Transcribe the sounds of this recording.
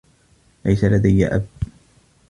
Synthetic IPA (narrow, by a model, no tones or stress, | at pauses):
lajsalad̪ajːa̰ʔa̰b̚